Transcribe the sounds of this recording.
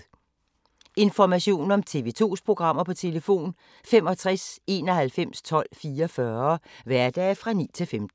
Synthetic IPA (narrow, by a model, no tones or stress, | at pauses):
e̝nfɒmæɕo̝̰ːn̩ɒ̽mt͡sʰe̝̰ʋe̝ːt͡sʰo̝̰ːspʰʁo̝ɡ̥ʁɑ̈m̰ɐpʰɒ̽t͡sʰe̝ləfo̝̰ːn | femɒ̽t͡sʰʁase̝ːnɒ̽ɦælfem̰st͡sʰɒ̽l̰fiːɐfɶɐʋæɐd̥ɛ̰ːfʁɑ̈nḭːt͡sʰe̝lfemd̥̩